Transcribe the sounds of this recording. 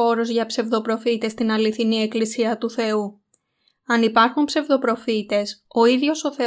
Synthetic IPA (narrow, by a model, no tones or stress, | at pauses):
o̞ɾozʝɐpse̞vðo̞pɾo̞fit̪e̞st̪inɐliθinie̞klisiɐt̪uθe̞u | ɐnipɐɾxumpse̞vðo̞pɾo̞fit̪e̞so̞iðʝo̞so̞θe̞